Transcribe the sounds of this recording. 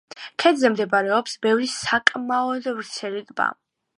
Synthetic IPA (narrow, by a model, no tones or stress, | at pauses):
kʰɛd̪zɛmd̪ɛbaɾɛɔpsbɛvɾisakʼmaɔd̪vɾt̪sʰɛlid̪ʼba̰